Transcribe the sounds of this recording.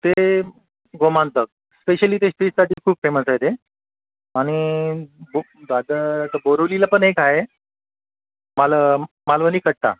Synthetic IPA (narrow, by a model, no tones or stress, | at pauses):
t̪e | ɡomant̪ək̚ | speɕəliːt̪esʈɾisaʈiːkʰuːpfeməsajt̪e | aɽ̃i | bo | d̪ad̪ət̪əboɾoʋlilapəɳekaɦe | mala | malʋəniːkəɽ̚t̪a̰